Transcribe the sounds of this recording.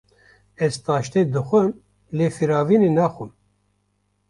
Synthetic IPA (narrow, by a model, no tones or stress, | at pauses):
ɛzt̪ɑːʃt̪eːd̪ɨxʷɛn | leːfiɾɑːviːnenɑːxʷum